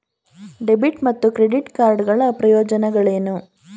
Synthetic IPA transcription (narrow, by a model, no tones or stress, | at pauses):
ɖebiʈmɐt̪ːukɾeɖiʈkaːɾɖɡɐɭɐpɾɐjoːd͡ʒɐnɐɡɐɭeːnu